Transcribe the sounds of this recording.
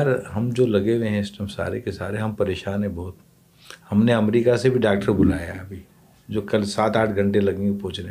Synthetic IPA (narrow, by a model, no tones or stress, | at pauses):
əɾɦɐmd͡ʒoːlɐɡeʋẽɦɛ̃ɪsʈəmsa̰ːɾekesa̰ːɾeɦɐmpɐɾeːʃaːnɦɛ̃bɐɦʊt̪ | hɐmneɐmɾiːkasebʱiɖaːk̚ʈəɾbʊlaːja̰ɐbʱi | d͡ʒoːkɐlsaːt̪aːʈʰɡʱɐ̃ɳʈelɐɡẽŋɡepɔɦːt͡ʃne